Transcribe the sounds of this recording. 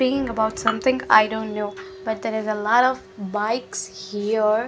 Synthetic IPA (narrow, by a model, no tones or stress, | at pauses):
ikɪ̃ŋəbaʊʈsʌ̃mt̪ɪ̃ŋa̰ɪdõʊ̃nːnoʊb̥ʌʈ̚d̪ɛɾɪzəlɔɾɔvbaɪkshiɾ